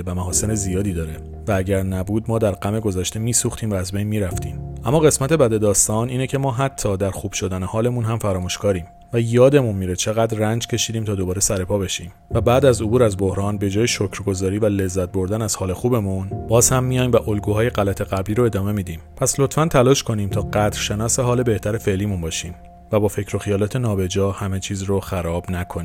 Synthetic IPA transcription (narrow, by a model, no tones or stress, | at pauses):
væmæɦɒːse̞nezijɒːd̪iːd̪ɒːɾe | væːɟæɾnæbuːd̪mɒːd̪æɾɡæme̞ɡo̞zæʃt̪e̞miːsuːxt̪ʰiːmvæːzbe̞jnmiːɾæft̪ʰiːmʔæmːɒːɣe̞smæt̪e̞bæd̪e̞d̪ɒːst̪ɒːniːnecʰe̞mɒːɦæt̪ʰːɒːd̪æɾxuːb̥ʃo̞d̪ænehɒːle̞munɦæmfæɾɒːmuʃkʰɒːɾiːm | væjɒːd̪e̞munmiːɾet͡ʃʰe̞ɣæd̪rænd͡ʒcʰe̞ʃiːd̪iːmt̪ʰɒːd̪o̞bɒːɾe̞sæɾe̞pʰɒːbe̞ʃiːm | væbæːd̪æzobuːɾæzbohɾɒːnbe̞d͡ʒɒːjeʃocʰɾɡo̞zɒːɾiːvæle̞zːæt̪̚bo̞ɾd̪ænæz̥hɒːle̞xuːbe̞munbɒːzhæmːijɒjmbæʔolɡuːɦɒːje̞ɣælæt̪ʰe̞ɣæbliːɾoe̞d̪ɒːme̞miːd̪iːmpʰæslo̞t̪fænt̪ʰælɒːʃkʰo̞niːmt̪ʰɒːɢæd̪ɾ̥ʃe̞nɒːseɦɒːle̞be̞ht̪ʰæɾe̞fe̞ʔliːmunbɒːʃiːm | væbɒːfe̞cʰɾo̞xijɒːlɒːt̪ʰe̞nɒːbe̞d͡ʒɒːhæme̞t͡ʃʰiːzroxæɾɒːb̥nækʰoni